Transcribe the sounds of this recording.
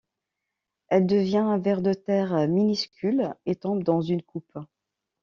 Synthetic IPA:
ɛld̪əvjɛ̃ɛ̃vɛʁd̪ət̪ɛʁminyskʲylet̪ɑ̃bd̪ɑ̃zynkup

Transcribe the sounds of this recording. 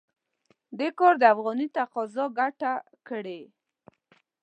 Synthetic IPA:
d̪ekɔɾd̪əafɣɔnit̪aqɔzɔɡaʈa | kəɽe

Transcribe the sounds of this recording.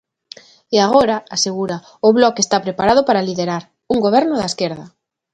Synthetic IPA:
eaɣ̞oɾaaseɣuɾa | ʊβlɔkest̪apɾepaɾað̞ʊpaɾaliðeɾaɾ | uŋɡoβ̞ɛɾnʊðaeskeɾðɐ

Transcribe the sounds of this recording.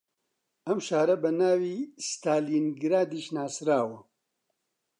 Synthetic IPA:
ɐmʃaːɾɐbɐnaːwiːst̪aːliːnɡɾaːd̪iːʃnaːsɾaːwɐ

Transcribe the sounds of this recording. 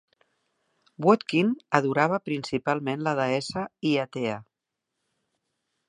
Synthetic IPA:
bwɔt̪kinəðuɾaβ̞əpɾinsipalˠmenləðəɛsəiat̪ea

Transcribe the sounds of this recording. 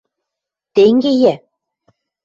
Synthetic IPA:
t̪eŋɡʲejæ

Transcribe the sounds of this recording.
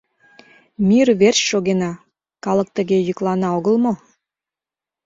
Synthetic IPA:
mʲirβerɕʃoɣenɑ | kɑlək̚t̪ə̆ɣejyklˠɑnɑoɣəlˠmo

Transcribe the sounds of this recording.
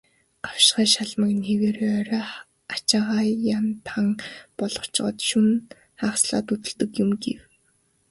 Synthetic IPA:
ɢaw̥ʃχaːʃaɮmə̆kneweːɾeːœɾœː | at͡ɕaːʁaːjant̪ʰaŋpɔɮ̥ɞ̥̆t͡ɕ̆ɢɞ̰t̪ʃun | χaːχsɮa̰ːt̪ut̪ɵ̆ɮt̪ɘ̆kjʊmɡḛw

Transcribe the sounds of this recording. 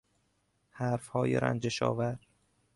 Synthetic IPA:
hæːɾfhɒːjeɾæ̰nd͡ʒeʃɒ̰ːvæɾ

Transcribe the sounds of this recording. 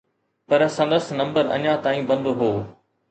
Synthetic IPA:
pɐɾsɐ̃nd̪əsnɐ̃mbəɾɐ̰ɲãt̪aːĩːbɐ̃nd̪ɦoː

